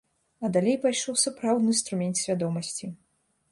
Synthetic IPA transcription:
ɐd̪alʲejpajʂɔwsapɾawd̪nɨst̪ɾumʲɛnt̪sʲvʲad̪ɔmɐsʲt͡sʲi

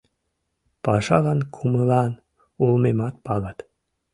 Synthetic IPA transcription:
pɑʃɑɣɑnkʰuməlɑn | ulmemɑt̪̚pɑɣɑt̪

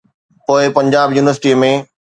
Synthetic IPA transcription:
poːɪpɐ̃ɲd͡ʑaːbjuːnɪʋəɾsɪʈimẽ

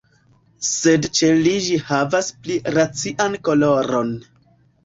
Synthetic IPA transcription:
se̞dt͡ʃe̞lid͡ʒihavaspliɾat͡siʔanko̞lo̞ɾo̞n

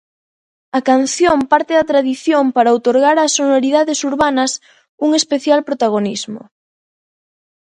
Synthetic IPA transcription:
ɐkan̟θjompaɾt̪eðɐt̪ɾaðiθjompaɾaowt̪oɾɣaɾasːonoɾiðaðesuɾβanɐs | uŋespeθjalpɾot̪aɣ̞onizmo̰

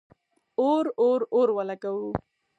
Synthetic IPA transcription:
oɾoɾoɾwalakawu

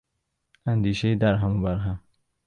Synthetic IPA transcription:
and̪iʃeid̪aɾɦambaɾɦam

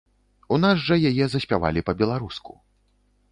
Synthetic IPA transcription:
unazʐɐjajɛzɐsʲpʲava̰lʲipɐbʲɛlˠaɾusku̥̰

